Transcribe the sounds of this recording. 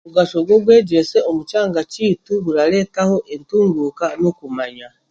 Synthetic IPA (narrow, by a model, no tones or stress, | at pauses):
βuɡaʃo̞ɡwo̞βwe̞ːɟeseomut͡ʃaːŋɡaciːtuβuɾale̞ːtaho̞ʔentuːŋɡukanokumaɲa